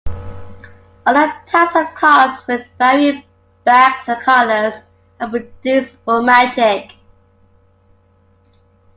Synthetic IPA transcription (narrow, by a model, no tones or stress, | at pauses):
ʌðətʰaɪpsəv̥kʰɔˑswɪðvɛɹiəs | b̥æksə̥kʰʌləz̥ | əpɹədʉˑsbɔmad͡ʒɪk